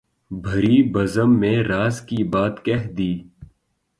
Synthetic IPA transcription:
bʱɐɾiːbɐzəmːẽɾaːzkibaːt̪kɛɦd̪iː

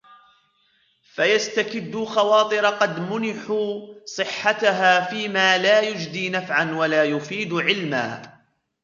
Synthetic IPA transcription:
fajast̪akɪd̪ːʊxɑwɑːt̪ˤɨɾɑqɑd̪mʊnɪħuːsˤɨħːat̪aɦaːfiːmaːlaːjʊd͡ʒd̪iːnafʕanwalaːjʊfiːd̪ʕɪlma̰ː

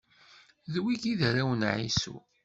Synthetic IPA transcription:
ðwikiðɾæwənʕḭsṵ

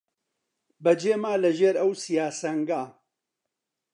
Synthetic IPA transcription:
bɐd͡ʒeːmaːlɐʒeːɾɐwsijaːsɐŋɡaː

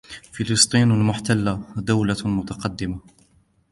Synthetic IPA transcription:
fɪlɨst̪ˤiːnalmʊħt̪alːad̪awlamʊt̪ɑqɑd̪ːɪma

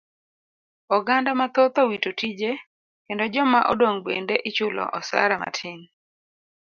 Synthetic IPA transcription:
ɔɡandamat̪ot̪owitotid͡ʒe | kendɔd͡ʒɔmaʔɔ̰doŋbḛndeʔɪt͡ʃʊlɔ̰ʔɔsa̰ɾama̰tʰɪŋ

